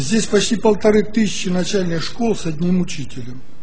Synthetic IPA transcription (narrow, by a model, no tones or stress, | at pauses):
zʲdʲesʲpɐt͡ɕtʲipəlˠt̪ɐɾɨt̪ɨsʲɪ̥t͡ɕːɪnɐt͡ɕælʲnʲɨxʂkolˠsɐd̪ʲnʲimʊt͡ɕitʲɪlʲəm